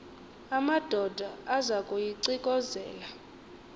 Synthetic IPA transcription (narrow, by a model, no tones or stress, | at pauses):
amad̥ʱɔd̥ʱaazakʼujiǀikʼɔzɛ̰ːla